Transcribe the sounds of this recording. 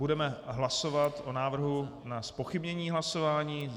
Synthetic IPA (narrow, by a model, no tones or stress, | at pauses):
udɛmɛɦlaso̞vat̪ʔonaːvr̩ɦunaspo̞xɪbɲɛɲiːɦlaso̞vaːɲiː